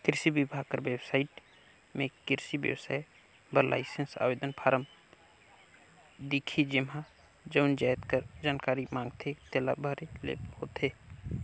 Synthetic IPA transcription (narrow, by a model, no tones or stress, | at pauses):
kɪɾsibibʱaːkəɾʋeːbsaːiʈ | mẽkɪɾsibjə̰wsa̰j | bəɾlʔa̰ɪsensa̰ːʋeːd̪ənpʰaːɾəm | d̪ikʰid͡ʒɪma | d͡ʒəʊnd͡ʒaːjt̪kəɾd͡ʒaːnkaːɾimãːŋɡt̪ʰet̪ela̰bʱəɾelḛːphoːt̪ʰeː